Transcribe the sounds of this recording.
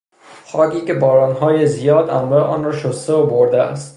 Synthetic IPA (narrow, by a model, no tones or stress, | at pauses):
xɒːkiːcʲebɒːɾɒːnɦɒːjezijɒːd̪æmvɒːʔɒːnrɒːʃost̪eoboɾd̪eæ̰st̪